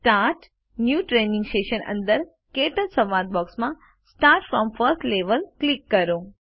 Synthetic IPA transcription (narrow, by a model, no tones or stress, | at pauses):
sʈaɾʈ | njuʈɾenĩŋɡsʈeʃənə̰̃nd̪əɾ | keʈəlsəmaɾt̪̚bɔksmã | sʈaɾʈfɾɔmfəɾt̪leʋəlklikːəɾo